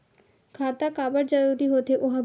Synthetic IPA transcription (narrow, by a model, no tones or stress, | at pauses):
kʰat̪akaːbəɾd͡ʑəɾuɾiɦot̪eʔoɦã